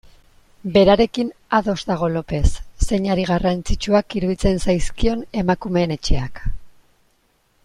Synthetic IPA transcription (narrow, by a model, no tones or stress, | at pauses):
be̞ɾaɾe̞kin | aðo̞zd̪aɣ̞o̞lo̞pe̞sːe̞ɲaɾiɣ̞arant͡sit͡ʃuakiɾuβit͡se̞nsajskio̞ne̞makume̞ːne̞t͡ʃe̞ak